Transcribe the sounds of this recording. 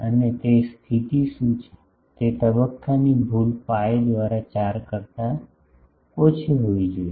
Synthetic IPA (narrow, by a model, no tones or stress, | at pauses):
ənet̪est̪ʰit̪isũt͡ʃʰ | t̪et̪əbəkːanibʱulpaed̪ʋaːɾat͡ʃaɾkəɾt̪a | ot͡ʃʰiɦoid͡ʒoːi